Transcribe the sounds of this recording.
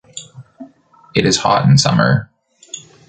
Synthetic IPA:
ɨɾɨz̥hɑ̰ɾ̃n̩sʌmə̰˞

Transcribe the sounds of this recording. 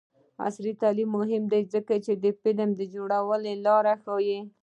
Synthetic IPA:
a̰sɾit̪alimːʊɦɪmd̪ajzəkat͡ʃed̪əpɪlamd̪əd͡ʒoɽawəlelɑɾaxɑji

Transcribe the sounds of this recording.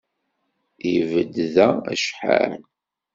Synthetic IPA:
ivəd̪ðææ̰ʃħa̰ɾ

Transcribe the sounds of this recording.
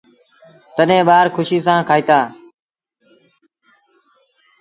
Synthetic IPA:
t̪əɗẽːɓaːɾkʰʊʃiːs̬ãːkʰaːiːt̪aː

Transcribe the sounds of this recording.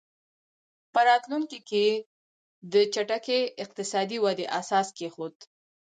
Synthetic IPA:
pəɾɑt̪luŋkike | d̪ət͡ʃaʈakeɪq̚t̪ɪsɑd̪iwad̪eʔasɑskexod̪

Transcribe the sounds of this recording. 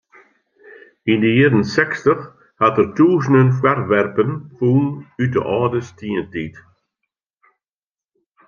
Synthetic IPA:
indəidənsɛkstəx | hatərtʰuːzənənfwarʋɛrpənfuːnytə̰ʔɔːdəstʰiːəntiːt

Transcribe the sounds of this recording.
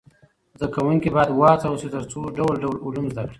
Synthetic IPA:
zd̪akawuŋkibɑjad̪wɑt͡s̪awsit̪əɾt͡soɖawlɖawlʊlumzd̪akɽi̥

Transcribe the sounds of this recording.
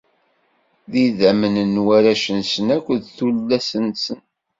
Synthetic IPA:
ðiðæmənənwæɾæʃənsənækʷːðθulːæsənsən

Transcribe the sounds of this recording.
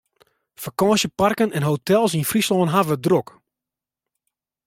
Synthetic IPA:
fakɑ̃ːsjəparkənɛnɦowtʰɛlˠsinfrislɔːnɦavədrok

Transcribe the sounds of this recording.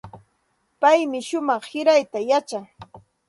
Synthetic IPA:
pajmɪʃʊmɑχhɪɾajt̪ajat͡ʃaŋ

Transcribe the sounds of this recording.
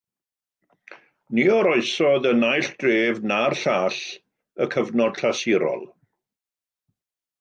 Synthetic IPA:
niɔɾɔɨsɔðənajɬd̥reːvnarɬaːɬ | əkʰəvnɔd̥ɬʰasɪɾɔ̰lˠ

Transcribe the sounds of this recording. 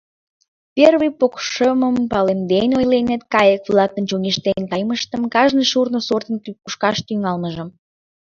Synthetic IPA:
pʲerβɨjpokʃəməmpɑlemd̪enojlenet̪̚kɑjəkβlˠɑkk̪ənt͡ɕonʲeʃt̪ent̪ɑjməʃt̪əmkɑʒnəjʃurnosort̪ənkykuʃkɑʃt̪yŋɑlməʒə̆m

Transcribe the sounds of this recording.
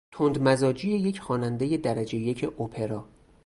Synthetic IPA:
t̪ʰond̪mæzɒːd͡ʒije̞je̞cʰxɒːnænd̪eje̞d̪æɾæd͡ʒe̞jecʰeʔopʰe̞ɾɒː

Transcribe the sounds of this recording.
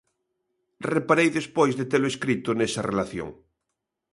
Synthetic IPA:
repaɾejðespojzðet̪eloeskɾit̪ʊnesɐrelaθjo̰ŋ

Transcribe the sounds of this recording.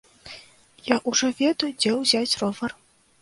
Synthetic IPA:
jaʔuʐɔvʲɛd̪ɐjud͡zʲɛwzʲat͡sʲrɔvɐr

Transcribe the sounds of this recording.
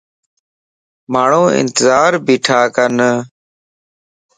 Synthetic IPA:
maːɳ̤ũːɪ̰nt̪ɪzaːɾbiːʈʰaːkən

